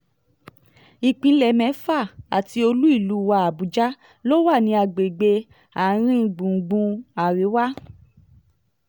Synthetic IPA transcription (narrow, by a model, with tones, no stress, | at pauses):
i˨k͡pĩ˨˦lɛ˨mɛ̃˨˦fa˦˨a˨ti˧o˧lu˦i˦˨lu˨˦wa˧a˨bu˨d͡ʒa˦ | lo˦wa˦˨nĩ˧˦a˧ɡ͡be˨ɡ͡be˧ | a˨˦ɾ̃ĩ˦˨ɡ͡bũ˨ɡ͡bũ˧a˨ɾe˨˦wa˦